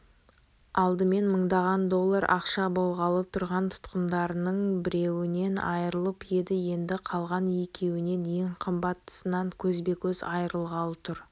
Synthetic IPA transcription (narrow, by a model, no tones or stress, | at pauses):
ɑlˠd̪əme̞nməɴd̪ɑʁɑnd̪o̞lˠːɑɾɑ̰qʃɑbo̞lˠʁɑlˠət̪ʰʊɾʁɑnt̪ʰʊ̥t̪qənd̪ɑɾənəɴbɪɾe̞wɪne̞nɑ̰jəɾəlˠəpje̞d̪ɪje̞nd̪ɪqʰɑlˠʁɑnekʲʰe̞wɪne̞neŋqʰəmbɑt̪ːə̥sənɑŋkʲʰɵzbe̞kʲʰɵzɑjəɾəlˠʁɑlˠət̪ʰʊɾ